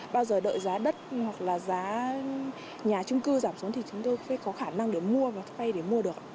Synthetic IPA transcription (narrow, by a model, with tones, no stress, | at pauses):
ɓaː˧wzəː˨˩ɗə̰ː˧˨jzaː˨˦ɗə˦˥t̚hwa˨˩k̚laː˨˩zaː˨˦ | ɲaː˨˩t͡ɕʊ˧ŋ͡mkɨ˧zaː˧˩msu˨˦nt̪i˨˩t͡ɕʊ˨˦ŋ͡mt̪o˧jfaː˧˥˦kɔ˨˦xaː˧˩na˧ŋɗe˧˩mu˧əvaː˨˩wt̪ʰa˧jɗe˧˩mu˧əɗɨ˨˩ək̚ː